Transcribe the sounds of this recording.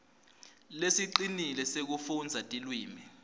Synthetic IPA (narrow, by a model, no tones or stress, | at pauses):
lesiǃinilɛsek̬ufund͡zʱatʼilwiːmi